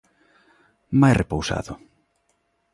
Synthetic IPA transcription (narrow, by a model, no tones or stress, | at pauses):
majrepowsa̰ðʊ